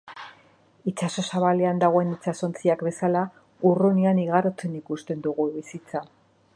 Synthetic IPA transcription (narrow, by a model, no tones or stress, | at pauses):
it͡ʃaso̞saβale̞and̪aɣ̞o̞e̞nit͡ʃaso̞nt͡siakbe̞sala | urunianiɣaɾot͡se̞nikust̪e̞nd̪uɣuβisit͡sa